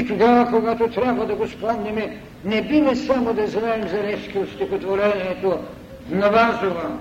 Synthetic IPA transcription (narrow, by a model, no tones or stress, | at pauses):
it̪oɡavɐkoɡat̪ot̪ɾʲabvɐd̪ɐɡosplˠad̪nɛmɛ | nɛbimɛsamod̪ɐznaɛmzɐɾɛʃkiot̪st̪ixot̪voɾɛniɛt̪o | nɐvazovɐm